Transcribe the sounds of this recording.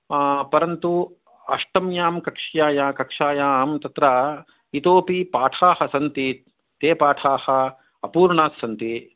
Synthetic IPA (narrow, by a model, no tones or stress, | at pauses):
pɐɾɐnt̪u | ɐʂʈɐmjaːmkɐkʂjaːjaːkɐkʂaːjaːmt̪ɐt̪ɾɐ | it̪oːpipaːʈʰaːhɐsɐnt̪i | t̪eːpaːʈʰaːhɐ̆ | ɐpuːɾɳaːsːɐnt̪i